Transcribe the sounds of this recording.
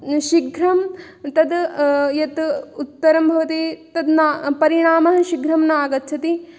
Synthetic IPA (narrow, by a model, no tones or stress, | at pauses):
ʃiɡʱɾɐm | t̪ɐd̪jɐt̪ut̪ːɐɾɐmbʱɐʋɐt̪it̪ɐd̪napɐɾiɳaːmɐɦɐ̆ʃiɡɾɐmnaːɡɐt̪ːt͡ʃʰɐt̪i